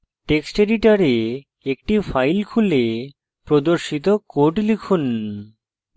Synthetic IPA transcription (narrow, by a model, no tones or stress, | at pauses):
ʈeksʈeɖiʈaɾe | ekʈifajlkʰule | pɾod̪oɾʃit̪̬okoʈlikʰun